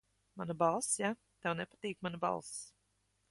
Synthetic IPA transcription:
manabalˠsja | t̪ɛwnɛpat̪iːkmanaba̰lˠs

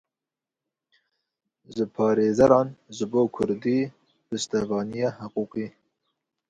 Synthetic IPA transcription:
ʒəpʰɑːɾeːzɛɾɑːnʒɨboːkʰʊɾd̪iː | bɨst̪ɛvɑːnijɑːhəquːqiː

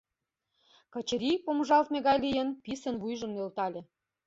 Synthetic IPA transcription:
kɤ̆t͡ɕə̆ɾʲipomʒɑlt̪meɣɑjlijə̆npisə̆nβujʒə̆mnølt̪ɑlʲĕ

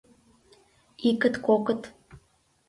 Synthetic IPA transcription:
ikə̆t̪kokə̆t̪

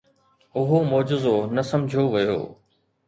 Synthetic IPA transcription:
ʊɦomoːd͡ʑɪzonɐsɐmd͡ʑʱioʋɐjo̰ː

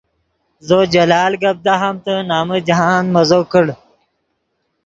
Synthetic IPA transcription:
zod͡ʑɐlaːlɡɐb̚d̪aɦamt̪ənaːməd͡ʒɦaːnmɐzokəɽ

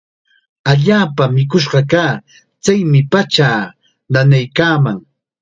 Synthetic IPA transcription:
aʎaːpamɪkʊʃ̬ɢɑkaː | t͡sajmɪpat͡ʃaː | nanajkaːmaŋ

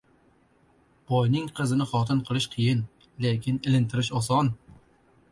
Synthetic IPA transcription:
b̥ɒjnɪŋqʰɨzɪnɪχɒt̪ɪnqʰɨlˠɪʃqʰɨjɪn | lekʲɪnɪlɪnt̪ʰɪɾɪʃɒsɒn

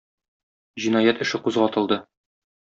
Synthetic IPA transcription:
ʑinɑjæt̪ɘ̆ʃɘquzʁɑɒt̪ɤ̆lˠd̪ɤ

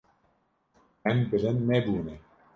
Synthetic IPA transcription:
ɛmbɨlɘnːɛbuːnɛ

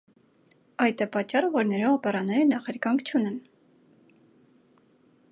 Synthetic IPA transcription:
ɑjt̪ɛpɑt͡ʃːɑrəvɔɾnɛɾɔɑpɛɾɑnɛɾənɑχɛɾkɑŋkʰt͡ʃʰunɛn

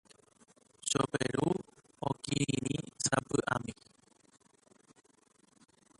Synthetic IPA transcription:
ʃopeɾu | okiiɾĩsapɨʔamĩ

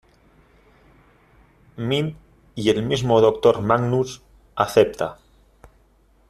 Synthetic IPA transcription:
min | ielmizmoðok̚t̪oɾmaɡnus | aθep̚t̪a̰

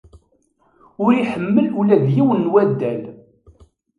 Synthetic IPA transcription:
ʊɾiħəmːəlulæðjiwənːwæd̪ːæl

